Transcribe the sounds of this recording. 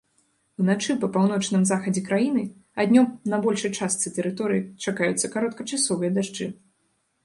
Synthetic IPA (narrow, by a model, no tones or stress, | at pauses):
wnat͡ʂɨpɐpawnɔt͡ʂnɨmzaxɐd͡zʲɛkɾajinɨ | ad̪ʲnʲɔmnɐbɔlʲʂɨjt͡ʂast̪sɨt̪ɛɾɨt̪ɔɾɨjit͡ʂakajut̪sːɐkaɾɔt̪kɐt͡ʂasɔvɨjɐd̪aʐd͡ʐɨ